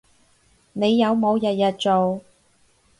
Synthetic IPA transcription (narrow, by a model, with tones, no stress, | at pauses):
ne˨˧jːɐ˨˧wmo˨˧wjɐ˨t̚jɐ˨t̚t͡so˨w